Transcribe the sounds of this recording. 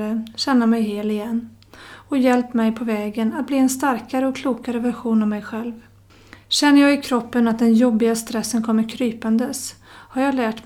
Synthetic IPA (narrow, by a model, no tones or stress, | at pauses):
əɕɛnːamɛjheːlɪjɛnː | ɔjɛlp̚t̪mɛjpʰɔvɛːɡənat̪̚bliːɛnst̪aɾkaɾəɔkʰluːkaɾəvæɾɧuːnammɛjɧɛlv | ɕɛnːəɾjɑːɡɪkʰɾɔpːənat̪̚d̪ɛnjɔbːɪɡast̪ɾɛsːənkʰɔmːəɾkʰɾyːpand̪əshaɾjɑːɡlæːʈ